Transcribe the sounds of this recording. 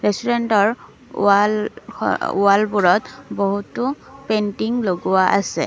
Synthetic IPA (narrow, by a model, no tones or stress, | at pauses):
ɹestuɹentɔɹ | a̰ | ṵalbuɹɔtboɦutʊ | pentiŋloɡʊwaʔasɛ̰